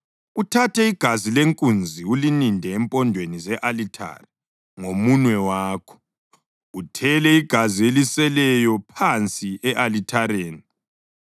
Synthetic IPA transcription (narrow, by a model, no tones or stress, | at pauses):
utʰatʰɛiɡ̥ʱazileŋkʼund͡zʱiulinindʱɛɛmpʼɔndʱwenizɛʔalitʰa̰ri | ŋomunwɛwaːkʰɔ̥ | utʰɛlɛiɡ̥ʱazielisɛlɛjɔpʰant͡sʼiɛʔalitʰaɾeːni